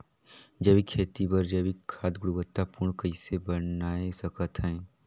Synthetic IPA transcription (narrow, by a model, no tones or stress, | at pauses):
d͡ʒəbikʰːeːt̪ibəɾd͡ʒəbikʰːaːd̪ɡʊɽuʋət̪ːapuːɾɳkəɪsebɐnaːesɐkət̪ɦɛ̃ː